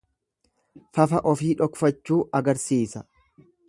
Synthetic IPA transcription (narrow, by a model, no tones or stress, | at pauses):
fɐfɐʔɔfiːᶑɔkfɐt͡ʃːuːʔɐɡɐɾsiːsɐ